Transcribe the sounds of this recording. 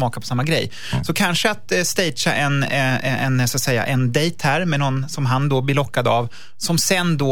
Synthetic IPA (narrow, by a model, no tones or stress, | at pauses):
mɑːkapʰɔ̥samːaɡɾɛj | sɔkʰanʂəat̪st̪ɛjʂaʔɛnɛɛɛnsɔat̪sɛjːa̰ʔɛnd̪ɛjt̪hæɾmɛnɔnːsɔmɦand̪ɔblɪɭɔkːad̪av | sɔmsɛnd̪o